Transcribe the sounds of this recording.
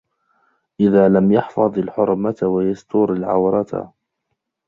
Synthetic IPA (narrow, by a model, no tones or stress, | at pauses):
ʔɪðaːlamjɑħfɑðˤalħʊɾˤmat̪wajast̪ʊɾalʕawɾˤɑt̪